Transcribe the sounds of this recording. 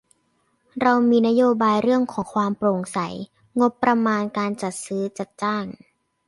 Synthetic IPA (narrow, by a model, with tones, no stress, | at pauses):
ɾa˧wmiː˧na˦˥joː˧baː˧jɾɯ˥˩əŋkʰɔː˩˦ŋkʰwaː˧mpɾo˨˩ŋsa˩˦j | ŋo˦˥pːɾa˧maː˧nkaː˧nt͡ɕa˨˩t̪̚sɯː˦˥t͡ɕa˨˩t̪̚t͡ɕaː˥˩ŋ